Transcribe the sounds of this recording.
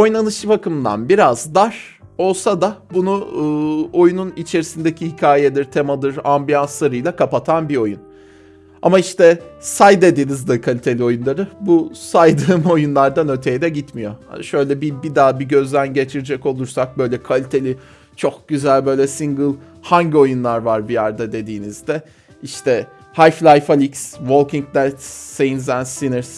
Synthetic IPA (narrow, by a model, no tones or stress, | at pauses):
ojnanˠɯʃɯbakɯmd̪a̰nbiɾazd̪aɾ | o̞lˠsad̪abunuɯːo̞jununit͡ʃʰe̞ɾisind̪ecʰihicʰaːjed̪iɾt̪ʰe̞mad̪ɯɾambijanslˠaɾɯjlˠakʰapat̪ʰanbio̞jun | a̰maiʃt̪ɛsajd̪e̞d̪inizd̪akʰalʲit̪ʰelʲio̞junlˠaɾɯbusajd̪ɯːmo̞junlˠaɾd̪anø̞t̪ʰe̞jid̪ɛɟit̪mijo̞a̰ʃø̞jlʲɛbibid̪aːbiɟø̞zd̪ʲænɟe̞t͡ʃʰiɾid͡ʒɛko̞lˠuɾsak̚bø̞jlʲɛkʰalʲit̪ʰe̞lʲi | t͡ʃʰo̞k̚ɟ̥yzælʲbø̞jlʲɛsiŋɡɯlˠ | haɲɟio̞junlˠaɾvaɾbijæɾd̪ad̪e̞d̪iːnizd̪ɛ | iʃt̪ʰɛ | hajflʲˠajfalʲiksvo̞lˠkiŋ̚d̪ɛt̪sejinzænsinɪɾs